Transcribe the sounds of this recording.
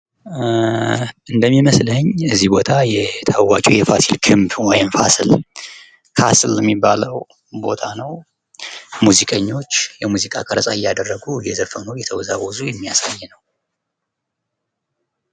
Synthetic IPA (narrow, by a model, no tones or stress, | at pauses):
ʔɨnd̪əmːiməsləɲɨzːibo̞t̪ʰajɛt̪ʰawat͡ʃʼijɛfasilkʰɨmbwɔjɪmfasɨl | kʰaslːɛmːibːaləw | bo̞̰t̪ʰanəw | muzikʼəɲːo̞t͡ʃːjɛmuzikʼa̰kʼəɾəsʼajːad̪ərːəɡujɛzəfənəwjɛt̪ʰəwzawɔzujɛmːija̰sajːɛnəw